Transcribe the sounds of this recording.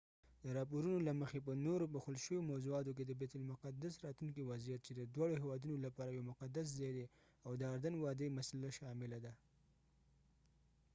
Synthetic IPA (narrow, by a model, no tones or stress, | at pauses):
d̪əɾɑpoɾunolaməxep̬ənoɾobaxolʃəwomawzuɑt̪ok̬ed̪əbet̪ʊlmʊqad̪asɾɑt̪luŋkiwazijat̪̚t͡ʃed̪əd̪wɑɽoɦewɑd̪unolapɑɾajawmʊqad̪as̬zɑjd̪e | awd̪əaɾd̪anwɑd̪əjmasalaʃɑmɪlad̪a